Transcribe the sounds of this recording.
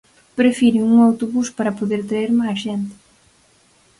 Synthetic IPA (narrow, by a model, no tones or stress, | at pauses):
pɾefiɾɪuŋawt̪oβuspaɾɐpoðeɾt̪eɾmajzʒent̪ɪ̥